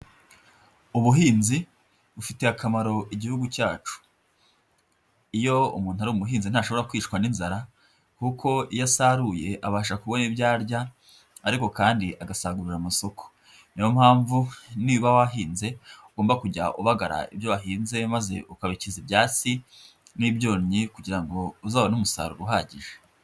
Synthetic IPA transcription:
uβuɦiːnzi | βufite̞akamaɾo̞ʔiɟihuɡucaːt͡ʃu̥ | ijo̞ṵmuːntuhaɾumuɦiːnzin̥aʃoβo̞ɾakwiːt͡ʃkwaninzaɾa | kukʰo̞ijasaɾuje̞ʔaβaːʃakuβo̞nibɟaːɾɟa | aɾiko̞kaːndiʔaɡasaɡuɾuɾamaso̞ko̥ | nijomhaːɱvuniβawaɦiːnze̞uɡoːmbakuɟa̰ʔuβaɡaɾa̰ḭbjoβaɦiːnze̞maze̞̰ʔukaβicizibjaːt͡si | nibɟo̞ːɲɲikuɟiɾaŋɡo̞uzaːβonumusa̰ɾṵɾɦaːɟiʒe

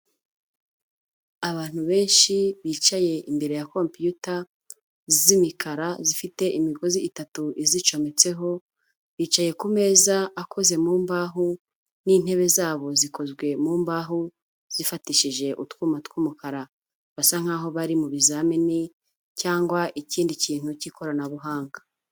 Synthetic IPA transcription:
aβaːn̥uβe̞ːnʃiβiːt͡ʃaje̞ʔimbe̞ɾe̞jakompijuta | zzimikʰaɾazifite̞ʔimiɡoziːtatuʔizit͡ʃo̞me̞t͡se̞ɦo̞ | βiːt͡ʃaje̞kume̞ːzaakʰo̞ze̞muːmbaːɦu | nin̥he̞βe̞zaːβo̞ziko̞zɡwe̞muːmbaːɦu | z̥ifatiʃiʒe̞ʔutkuːmatwuːmukaɾa | βasaŋ̥aːɦo̞βaɾimuβizamini | caːŋɡwaʔiciːndiciːn̥hucikʰo̞ɾanaβuɦaːŋɡa

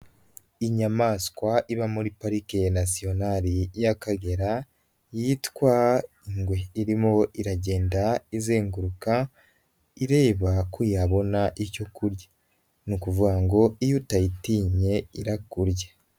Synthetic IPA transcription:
iɲamaːskwaʔiβamuɾipaɾikenasio̞naɾijakaɡe̞ɾa | jitkwa | iŋɡwe̞iɾimoiɾaɟe̞ːndaizeːŋɡuɾuka | iɾe̞ːβakujaβo̞naʔico̞kuɾja | nukuvuɡaŋɡo̞ijutajitiɲe̞iɾakuɾja

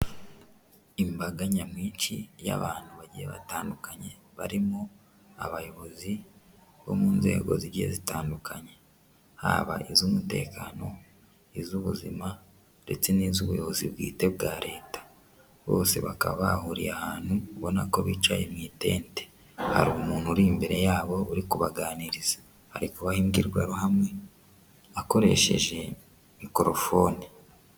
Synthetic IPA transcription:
imbaɡaɲamŋiːnt͡ʃija̰βaːnhuβaɾɟieβa̰taːndukaɲe̞ | βaɾimo | aβajo̞βo̞zi | βo̞̰muːnze̞ːɡo̞̰ziɾɟiḛzitaːndukʰaɲe̞ | ha̰βa̰ʔizumute̞̰ːkaːno̞ | izuβuzima | de̞t͡se̞nizuβujo̞βo̞zibɡḭːte̞b̚ɡaːɾe̞ːtḁ | βo̞̰ːse̞̰βa̰ka̰βaβahuɾḭjahaːnhukβo̞nako̞βiːt͡ʃwajemŋiːte̞̰ːnte | ha̰ɾumuːnhuɾimbe̞ɾe̞jaːβo̞uɾikuβaɡaːniɾizḁ | haɾikuβahimɡiɾɡwaɾohamŋe̞ | ako̞ɾe̞̰ʃe̞̰ʒe̞ | mikoɾo̞fo̞ni

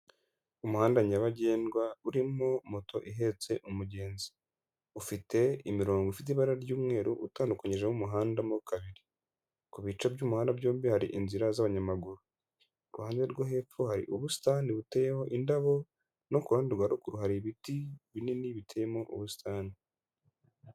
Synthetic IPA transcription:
umuhaːndaɲaβaɟe̞ːnɡwauɾimmomotʰo̞ʔiɦe̞ːt͡se̞ʔumuɟe̞ːnzi̥ | ufite̞imiɾo̞ːŋɡoifit̬eiβaɾaɾɟuːmŋe̞ːɾuʔutaːndukaɲiʒemumuɦaːndamukaβiɾi | kuβit͡ʃabjuːmuhaːndabjoːmbihaɾḭʔinziɾazaβaɲamaɡuɾu | uɾuhaːɲdeɾɡoɦe̞ːfuhaɾḭʔuβusi̥taːniβutejeho̞ʔindaβo̞ | no̞kuɾaːndiɾɡwaɾukuɾuɦaɾiβitiβininiβitʰejemoʔṵβusi̥tʰaːni

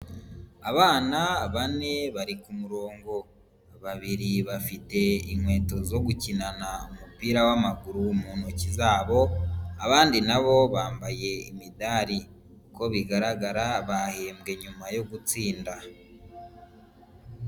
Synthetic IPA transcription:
aβaːnaβane̞βaɾikumuɾo̞ːŋɡo̞ | βaβiɾiβafite̞imwe̞ːto̞zo̞ɡucinanaumupiːɾawamaɡuɾumuːnocizaːβo̞aβaːndinaβo̞βaːmbaje̞ḭmidaɾi | ko̞βiɡaɾaɡaɾaβaheːmɡe̞ɲumajo̞ɡut͡siːnda

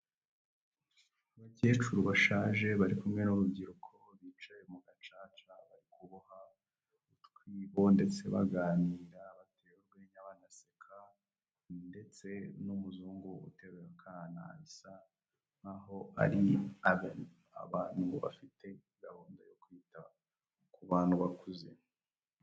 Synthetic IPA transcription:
βace̞ːt͡ʃuɾwaʃaːʒe̞βaɾikumŋe̞nuɾubɟiɾukʰo̞βiːt͡ʃajemuɡat͡ʃaːt͡ʃaβaɾikʰuβuha | utkwiːβo̞nde̞t͡se̞̰βa̰ɡaːniːɾaβatʰeːwuɾɡeːɲaβaːnasekʰa | nde̞t͡se̞numuzuːŋɡuṵte̞βeɾakʰana̰ːsa | naɦo̞a̰ɾiaβen | a̰βaːnhuβa̰fitʰe̞iɡaβoːndajokwiːta | kʰuβaːn̥huβakuze̞̰

